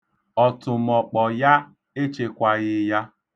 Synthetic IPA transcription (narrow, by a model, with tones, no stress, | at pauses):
ɔ˨tʊ˨m̩ɔ˨k͡pɔ˨ja˦ | e˦t͡ʃe˨kʷa˨ɣɪ˦ja˦